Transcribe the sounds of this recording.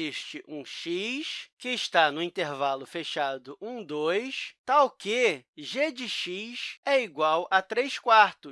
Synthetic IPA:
iʃt͡ʃɪʔũʃiʃkɪːʃt̪anʊĩnt̪eɾvalʊfeʃad̪ʊʔũd̪ojst̪awkeʒed͡ʒɪʃisɛiɡwawʔɐt̪ɾejskwaɾt̪ʊ

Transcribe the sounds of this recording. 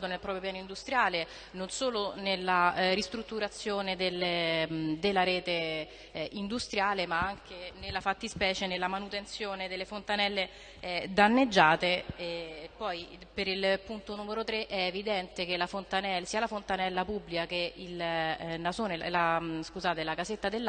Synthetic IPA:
d̪onelpɾɔpɾjopjaːnoind̪ust̪ɾjaːle | nonsoːlonelːaɾist̪ɾut̪ːuɾat̪sːjoːned̪elːemd̪elːaɾɛːt̪e | ind̪ust̪ɾjaːlemaaŋk̟enelːafat̪ːispɛːt͡ʃenelːamanut̪ent̪sjoːned̪elːefont̪anɛlːe | d̪anːed͡ʒːaːt̪e | pːɔjpeɾilpunt̪onuːmeɾot̪ɾeʔɛːvid̪ɛnt̪ek̟elafont̪anɛlsiːalafont̪anɛlːapubːlikakeilnazoːnelaskuzaːt̪elakazet̪ːad̪elː

